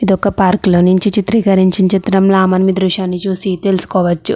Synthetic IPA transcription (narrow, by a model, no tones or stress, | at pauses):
id̪ɔkːɐpaːɾkloːnuɲt͡ʃit͡ʃit̪ɾiːkɐɾiɲt͡ʃint͡ʃit̪ɾɐmloaːmɐnɐmid̪ɾuʂaːnːit͡ʃuːsit̪e̞lusu̥kɔːʋɐt͡ʃːu